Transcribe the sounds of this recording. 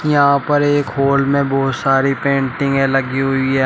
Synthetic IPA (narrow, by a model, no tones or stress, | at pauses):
jɐɦãpɐɾeːkɦoːlmẽbɔːt̪saːɾipẽːɳʈɪ̃ŋɡɦɛ̃lɐɡiɦʊiɦɛː